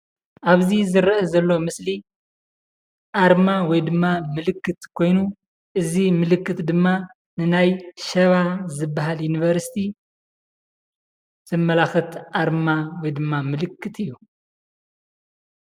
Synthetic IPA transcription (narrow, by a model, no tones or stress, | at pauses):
ʔaβzizɨɾʔɐzɐlːo̞mɨsli | ʔaɾmawɔjd̪ɨmːamɨlɨkːɨt̪kʰo̞jnu | ʔɨzimɨlɨkːɨt̪d̪ɨmːa | nɨnajʃɐβazɨbːaɦaljunivɐɾsi̥t̪ʰi | z̥ɨmːɐlaxɨt̪ʔaɾmawɔjd̪ɨmːamɨlɨkʰːɨt̪ʰɨjːu